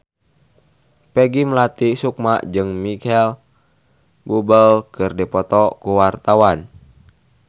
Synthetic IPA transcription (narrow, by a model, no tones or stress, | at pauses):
pɛɡiməlat̪isuk̚maʔd͡ʒɨŋmikɛl | bubəlkɨrdipɔt̪ɔkuwart̪awan